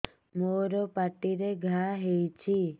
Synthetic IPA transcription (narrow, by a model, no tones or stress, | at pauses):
moɾopaʈiɾeɡʱaɦejt͡ʃʰi